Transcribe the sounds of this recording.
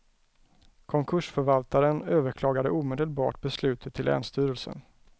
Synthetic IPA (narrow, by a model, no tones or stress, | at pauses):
kʰɔŋkʰɵʂfœɾvalt̪aɾənøːvəɾkʰlɑːɡad̪əuːmeːd̪əlbɑ̰ːʈ̚bɛslʉ̟ːt̪ʰət̪ʰːɪlɛ̰ːnst̪yːɾəlsə̰n